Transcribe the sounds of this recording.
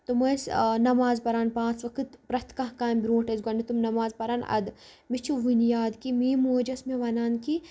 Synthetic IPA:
t̪umɐsnɐmaːzpɐɾaːnpãːt͡sʋɐkɨt̪pɾɐt̪kɐ̃ɦkaːmbɾoːʈɐzɡɐnit̪umnɐmaːzpɐɾaːnɐ̰d̪ | mit͡ʃʰuʋunjaːd̪kimiːmoːd͡ʒɐsmeʋɐnaːnki

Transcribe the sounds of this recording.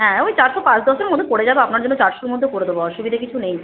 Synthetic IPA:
ɦɛ̃ojt͡ɕaɾt̪opãt͡ɕd̪ɔʃeɾmod̪ʱːokoɽed͡ʑabeapnaɾd͡ʑonːot͡ɕaɾʃuɾmod̪ʱːokoɽed̪eboɔʃubid̪ʱakit͡ɕʰunej

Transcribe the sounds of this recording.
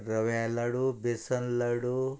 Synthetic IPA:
ɾɐʋalɐɽubesɐnlɐɽu

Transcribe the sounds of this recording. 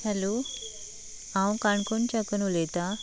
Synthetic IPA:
hɛlo | ãwkaɳkont͡ɕakənulet̪a

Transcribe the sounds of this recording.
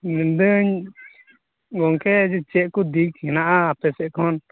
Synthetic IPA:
nɛnd̪əɲ | ɡɔŋkɛd͡ʒɛt͡ʃɛʔ̚kɔd̪ikhɛnaʔaːpɛsɛʔ̚kʰɔn

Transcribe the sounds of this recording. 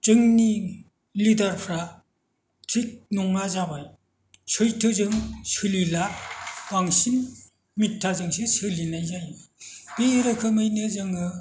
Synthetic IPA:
d͡ʒɯŋni | lidaɾpʰɾa | tʰɾik̚nɔŋnazabaj | sɯjtʰɯzɯŋsɯlilabaŋsin | mitʰːazɯŋsisɯlinajzajb̥eːɾɯkʰɯmɯjnɯzɯŋɯ

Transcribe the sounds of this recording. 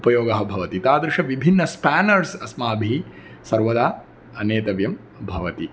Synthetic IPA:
upɐjoːɡɐɦɐ̆bʱɐʋɐt̪it̪aːd̪ɾɪʃɐʋibʱinːɐspæːnɐɾsɐsmaːɐbʱi | sɐɾʋɐd̪aː | ɐneːt̪ɐʋjɐm | bʱɐʋɐt̪i

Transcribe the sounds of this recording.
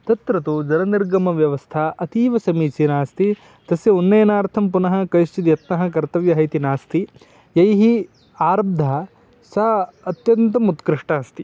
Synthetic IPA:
t̪ɐt̪ɾɐt̪ud͡ʒɐɾɐniɾɡɐmɐʋjɐʋɐst̪ʰɐʔɐt̪iːʋɐsɐmiːsinaːst̪i | t̪ɐsjɐunːɐjɐnaːɾt̪ʰɐmpunɐɦɐ̆kɐjʃt͡ʃit̪ijɐt̪nɐɦɐ̆kɐɾt̪ɐʋjɐɦɐjt̪inaːst̪i | jɐjɦi | aːɾɐb̚d̪ʱɐ | saɐt̪jɐnt̪ɐmut̪kɾiʂʈaːɐst̪i

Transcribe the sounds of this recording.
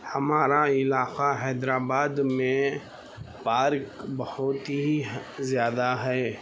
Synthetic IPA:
hɐmaːɾaɪlaːqaɦɛːd̪ɾaːbaːd̪mẽ | paːɾkbɐhʊt̪izjaːd̪aɦɛː

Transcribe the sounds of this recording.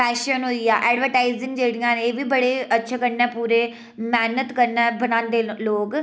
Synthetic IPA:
pɛːʃənɦoːiːaːʔɛːɖʋəɾʈaːizɪ̃ŋɡd͡ʒeːɽijãːneːʋiːbəɽeːətːʃʰeːkəɾnɛːpuːɾeː | mɛːnət̪kəɾnɛːbənãːnd̪eːloːɡ

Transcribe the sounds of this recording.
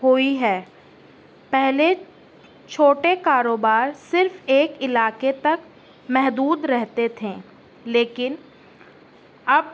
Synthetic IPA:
ɦoiɦɛː | pɛɦle | t͡ʃʰoːʈekaːɾoːbaːɾsɪɾfeːkɪlaːket̪ɐk | mɛɦd̪uːd̪ɾɛɦt̪et̪ʰẽː | leːkɪn | ɐb

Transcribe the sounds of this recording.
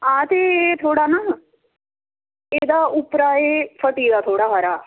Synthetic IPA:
ãːt̪eːt̪ʰoːɽaːnaː | eːd̪aːʔʊpɾaːeːfʰəʈiːd̪aːt̪ʰoːɽaːɦaɾaː

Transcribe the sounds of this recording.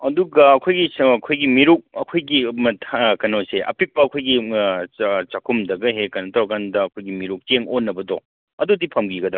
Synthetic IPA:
ɐduɡɐɐkʰojɡiɐkʰojɡimiɾuk̚ɐkʰojɡimɐtʰkɐnoseʔɐ̰pʰik̚pɐːkʰojɡi | t͡ʃakʰumdɐɡɐɦekanɐtʰɐɾɐkandɐːkʰojɡimiɾuk̚teŋonːɐbɐdɔ | ɐdudipʰɐmɡiɡɐdɾa

